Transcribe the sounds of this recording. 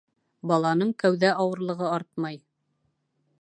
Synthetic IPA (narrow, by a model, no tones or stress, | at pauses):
bɑlˠɑnɤɴkæwðæʔɑwɤ̆ɾlˠɤ̆ʁɤɑɾt̪̚mɑj